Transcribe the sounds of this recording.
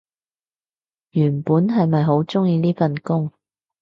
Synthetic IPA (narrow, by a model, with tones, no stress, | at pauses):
jyː˨˩npuː˨˥nɦɐ˨jmɐ˨jɦo˨˥wt͡sʊ˥ŋjiː˧liː˥fɐ˨nkʊ˥ŋ